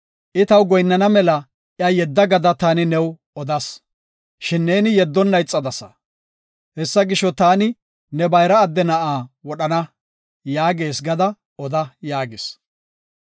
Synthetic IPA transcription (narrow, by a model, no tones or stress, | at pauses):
ʔɪt̪ɐwɡɔjnːɐnɐmɛlɐ | ʔjɐjɛd̪ːɐɡɐd̪ɐt̪aːnɪnɛw | ɔd̪ɐs | ʃɪnːe̞ːnɪjɛd̪ːɔnːɐjt͡sʼːɐd̪ɐsɐ̰ | hɛsːɐɡɪʃːɔt̪aːnɪ | nɛbɐjɾɐːd̪ːɛnɐʔaːwɔɗɐnɐ | jaːɡe̞ːsɡɐd̪ɐ | ʔɔd̪ɐjaːɡɪs